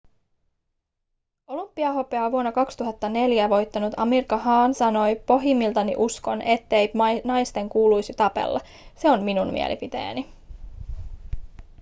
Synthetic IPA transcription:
o̞lumpːiɑɦo̞peɑʋuonːɑkɑkst̪uɦɑt̪ːɑne̞ljæʋo̞jt̪ːɑnut̪ɑmirkɑɦɑːnsɑno̞jpo̞ɦimːilt̪ɑnḭʔusko̞nʔe̞t̪ːejpnɑjst̪e̞ŋkuːlujsit̪ɑpe̞̰lːɑ̰ | se̞o̞mminummḭḛlʔḭpit̪ḛjæ̰ni

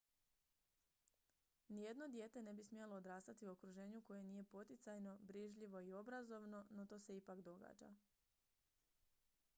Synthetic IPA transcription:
nije̞d̪no̞d̪je̞ːt̪e̞ne̞bismijelo̞ːd̪ɾaːst̪at̪iuokɾuʒe̞ːɲuko̞jeniːje̞po̞t̪it̪sajno̞bɾiʒʎiʋo̞io̞bɾazo̞ʋno̞no̞t̪o̞ːse̞ipakd̪o̞ɡa̰ːd͡ʒa̰

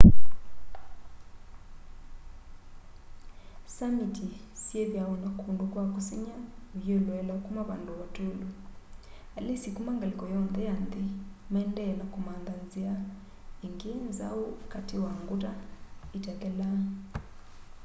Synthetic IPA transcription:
samitʰi | sjeβjawɔnakʰundukwakusiɲaujɔlwɛlakumaβa̰nduβatʰʼolu | alesikumaŋɡalikɔjɔnd̪ɛand̪i | maɛndɛlakumand̪anzia | iŋɡinza̰ukatʰiwaŋɡutaitɛkɛla

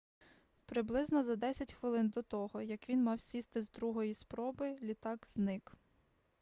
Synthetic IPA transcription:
pɾɪblˠɪznɔzɐd̪ɛsʲɐtʲxʋɪlˠɪnd̪ɔt̪ɔɦɔjɐkʋʲinmɑwsʲist̪ɪzd̪ɾuɦɔjispɾɔbɪlʲit̪ɑkz̥nɪk

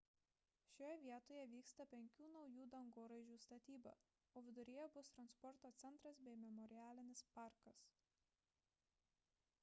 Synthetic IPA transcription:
ʃʲoːjɛʋʲiɛt̪oːjɛʋʲiːkst̪ɐpʲɛŋʲkʲuːnɒʊjuːd̪ɐŋɡoɾɐɪʒʲuːst̪ɐt̪ʲiːbɐ̰ | oːʋʲɪd̪ʊɾʲejɛbʊst̪ɾɐnspɔɾt̪oːt̪sʲɛnt̪ɾɐsbʲɛɪmʲɛmɔɾʲɪjæːlʲɪnʲɪspɑˑɾkɐs

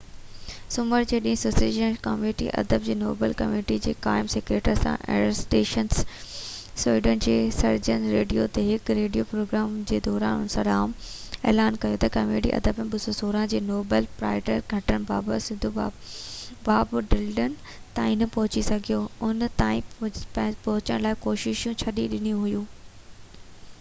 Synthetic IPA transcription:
sʊməɾd͡ʑeːɗĩɦɪ̃sʊsid͡ʑənkɐmeːʈḭʔɐ̰d̪əb̚d͡ʑeːno̰ːbəlkɐmeːʈid͡ʑeːkaːɪmseːkɾeːʈəɾsã̰ʔɛ̰ːsʈeːʃəns | siːɖənɪd͡ʑeːsɐɾd͡ʑənɾeːɖijot̪eɦɪkɾeːɖijopɾoːɡɾaːmd͡ʑeːd̪ɔːɾa̰ːnɦʊnsɐɗaːm | eːlaːnkɐjot̪ɐkɐmeːɖḭʔɐ̰d̪əb̃ɓʊsosoːɾãd͡ʑeːnoːbəlpɾa̰ːɪʈəɾɡʱɐʈəɽ̃ɪ̆baːbəsɪ̃nd̪ʱu | baːbɖɪlɖənɪ̆ | t̪aːĩnɐpɐɦʊt͡ɕisɐɡʱijoʊnt̪aːĩ | pɐɦʊt͡ɕəɽ̃laːɪkoːʃɪʃũt͡ɕʰɐɗiɗɪnijũɦʊjũː

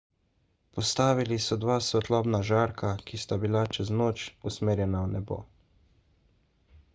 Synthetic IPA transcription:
pɔst̪aːʋilisɔd̪ʋaːsʋɛt̪lɔːbnaʒaːɾkʰakist̪abilat͡ʃɛznoːt͡ʃusmeːɾjɛnaunɛbo̰

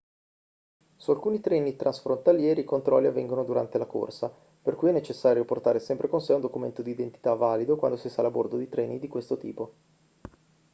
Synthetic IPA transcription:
sualkuːnit̪ɾɛːnit̪ɾʔansfɾont̪aljɛːɾiːkont̪ɾɔ̰lːiavːɛŋɡonod̪uɾa̰nt̪elako̰rsa | perkujɛnːet͡ʃesːaːɾjoport̪aːɾesɛmpɾekonsɛund̪okument̪od̪iːd̪ent̪i̥t̪avːaːlid̪okwa̰nd̪osisalabord̪od̪it̪ɾʔɛːnid̪ikwest̪ot̪ḭːpo

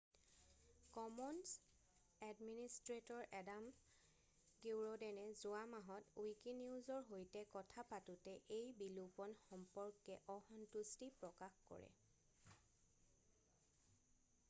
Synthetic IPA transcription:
kɔmɔns | ɛdministɹetɔɹʔɛdam | ɡiwɹɔdɛnɛzʊamaɦɔtujkiniuzɔɹɦojtɛkɔtʰapatutɛʔejbilupɔnxɔmpɔɹkɛʔɔhɔntustipɹɔkaxkɔ̰ɹɛ̰

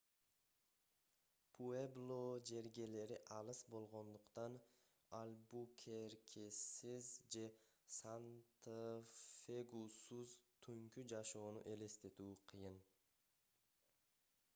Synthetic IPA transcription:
pʰueblˠod͡ʒe̞ɾɡe̞le̞ɾiʔɑlˠɯsbo̞lˠʁo̞nd̪uqt̪ɑn | ɑlʲbukʲʰe̞ɾkʲʰesizd͡ʒe̞ | sant̪ | feɡusuzt̪ʰyŋkyd͡ʒɑʃo̞ːnṵʔe̞le̞st̪e̞t̪uːqʰɨjɯn

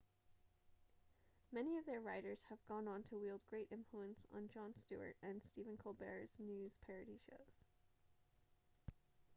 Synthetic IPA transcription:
mɛniʌvðə˞ɹaɪɾə˞z̥əvɡɔ̃nə̃n̩tʰəwilˠd̚ɡɹeɪɾʔɪ̃ɱfluə̃nsn̩d͡ʒɑ̃nstʉ̰ə̰˞ɾɨ̃nstivɨ̃nkʰolˠbɛ̰ɹz̥nʉz̥pʰɛɹɨɾiʃo̰ʊz̥

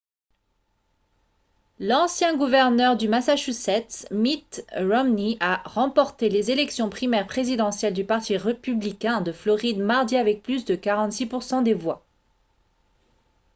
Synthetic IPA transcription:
lɑ̃sjɛ̃ɡuvɛʁnœʁd̪ymasaʃysɛt̪smit̪ʁɔmniaʁɑ̃pɔʁt̪elezelɛksjɔ̃pχimɛʁpχezid̪ɑ̃sjɛld̪ypaʁt̪iʁepyblikʲɛ̃d̪əflɔʁid̪maʁd̪iavɛk̚plysd̪əkaʁɑ̃t̪sipuʁsɑ̃d̪evwa

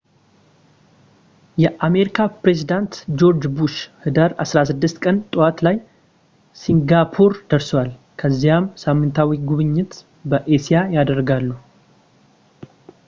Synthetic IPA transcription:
jɛʔame̞ɾikʰapɾe̞zid̪ant̪d͡ʒo̞ɾd͡ʒbuʃhɨd̪əɾasɾasɨd̪ːɨst̪kʼənt̪ʼowat̪laj | siŋɡapʰuɾd̪̥əɾswal | kʰəzːijamsamːɨnt̪ʰawiɡuβɨɲːɪt̪ | bəʔesijajad̪əɾːɡalːuh

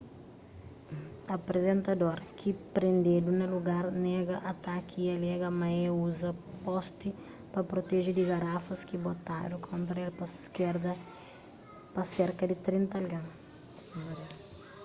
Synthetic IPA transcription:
ɐpɾezẽnt̪ɐd̪oɾkɪpɾẽnd̪ed̪unɐluɡaɾnɛɡɐʔat̪akiiɐlɛɡɐmaeuzɐpɔst̪ɪ | pɐpɾot̪eʒed̪ɪɡaɾafɐskɪbot̪a̰ɾʊkʰõnt̪ɾɐɛlpɐkeɾd̪ɐ | pɐseɾkɐd̪ɪt̪ɾĩnt̪ɐɐlɡɐ̃m

